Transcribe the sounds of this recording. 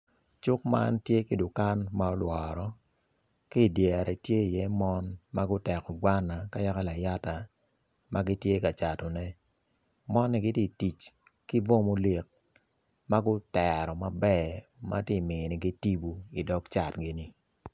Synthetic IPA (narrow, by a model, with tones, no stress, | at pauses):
t͡ʃʊ˦k̚ma̰˦ntje˦ke˨dʊ˨ka˦nma˦ɔ˦lwɔ˨ɾɔ˨ | ki˦˨djɛ˨ɾʔɛ˨tje˦i˨jɛ˦mɔ˦nma˦ɡʊ˦tɛ˨kɔ˨ɡwa˦nːa˨ka˦ja˦ka˦la˨ja˦ta˨ | ma˦ɡi˦tje˦ka˨t͡ʃa˨tɔ˨nɛ˦ | mɔ˦nːi˦ɡɪ˦ti˦˨ti˨t͡ʃ | ki˦vo˦mo˦le˨k̚ | ma˦ɡʊ˦tɛ˨ɾɔ˨ma˨bɛ˦ma̰˦ti˦˨mɪ˨ni˨ɡi˦ti˦bu˦i˨dɔ˦kt͡ʃa˨tɡɪ˦ni˨